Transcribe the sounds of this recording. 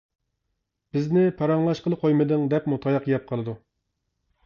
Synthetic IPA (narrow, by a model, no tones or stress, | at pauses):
b̥ɪznɪpʰɑɾɑŋlˠɑʃqəlˠəqʰojmɨd̪ɨŋd̪ɛpmut̪ʰɑjɑqjɛp̚qʰəlˠɨd̪u